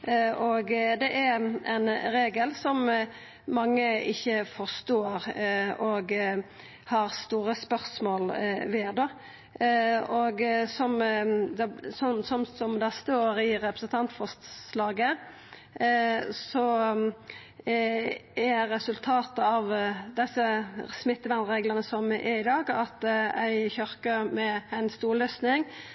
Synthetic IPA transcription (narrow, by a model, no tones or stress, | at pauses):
oɡd̪ɛʔɛɛ̰nɾeːɡəlsɔmː | ɑŋːəɪçːəfɔʁst̪oːɾoɡ | hɑɾst̪uːɾəspœɾsmoːlʋeːd̪o | oɡsɔmd̪sɔnsɔmsɔmd̪ɛæst̪əooːɾəɪɾɛpɾəsən̩t̪ʰɑnt̪fɔst̪slɑːɡə | sɔ | æɾɛsʉlt̪ʰɑːt̪əɑʋd̪ɛsːəsmɪt̪ːəʋænɾeːɡlənəsɔmʔɛɾɪd̪ɑːɡɑt̪æɪçœɾkəɾmɛæɪnst̪uːɾlœsnɪŋ